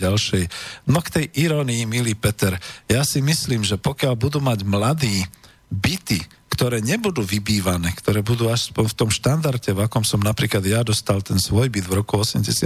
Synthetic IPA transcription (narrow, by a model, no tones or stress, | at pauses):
alʃɛjnɔkt̪ɛjʔiɾɔːniimiliːpɛt̪ɛɾjasimisliːmʒɛpɔkɪalbud̪uːmaɟmlad̪iː | bit̪i | kt̪ɔɾɛːɲɛbud̪uːʋibiːʋanɛːkt̪ɔɾɛːbud̪uːaspɔɲft̪ɔmʃt̪and̪aɾcɛvakɔmsɔmnapɾiːklad̪jad̪ɔst̪alt̪ɛnsʋɔjbid̪vɾɔkuɔsɛmɟɛsɪa